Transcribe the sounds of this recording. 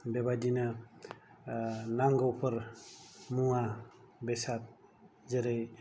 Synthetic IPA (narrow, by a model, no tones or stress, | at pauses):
bebadina | naŋɡɔwpʰəɾ | mua | besat̪̚ | zeɾej